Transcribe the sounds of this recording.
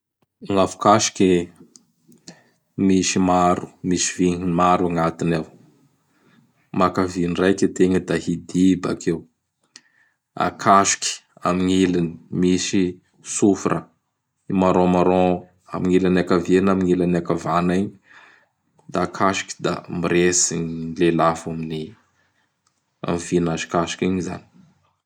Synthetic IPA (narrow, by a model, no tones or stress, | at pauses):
ŋafu̥kaʃi̥kʲi | misimaɾu̥misiviŋinimaɾuaŋat̪inaw | makavinrajket̪eŋəd̪ahid̪iba̰kʰew | a̰kʰaʃi̥kʲi̥amiɲilinimisi | sufuɾʔə | imaɾõmaɾɔ | a̰miŋilanakavenamiɲilanakavanaɲi̥ | d̪akʰaʃi̥kʲi̥d̪a̰miɾesinilelafamini | a̰mvinaʒi̥kaʃi̥kiɲiza̰ni̥